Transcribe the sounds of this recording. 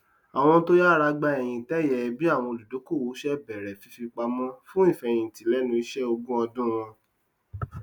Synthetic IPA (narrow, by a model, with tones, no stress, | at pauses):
a˨w̃ɔ̃˧˦to˦ja˦˨ɾa˧ɡ͡ba˧ɛ˨j̃ĩ˨tɛ˦˨jɛ˨bi˦a˦˨w̃ɔ̃˧o˨lu˨do˨˦ko˦˨wo˨˦ʃɛ˦bɛ˨ɾɛ˨fi˧fi˧k͡pa˧mɔ̃˦fũ˦i˦˨fɛ˨j̃ĩ˨ti˨˦lɛ˨˦nũ˧i˧˦ʃɛ˦o˧ɡũ˦ɔ˧dũ˦w̃ɔ̃˧